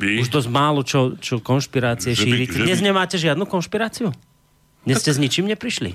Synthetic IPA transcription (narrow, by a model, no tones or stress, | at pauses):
uʒd̪ɔzmaːlɔt͡ʃɔt͡ʃɔkɔnʃpiɾaːt͡siɛʃiːɾicɛd̪ɲɛzɲɛmaːcɛʒɪad̪nukɔnʃpiɾaːt͡siu | d̪ɲɛscɛzɲit͡ʃimɲɛpɾiʃlḭ